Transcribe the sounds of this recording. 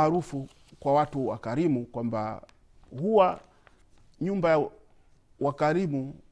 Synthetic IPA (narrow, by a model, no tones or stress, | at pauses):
ɾufu | kwawatuwa̰kaɾimukwamba̰ | huwa | ɲumbaja | wakaɾimu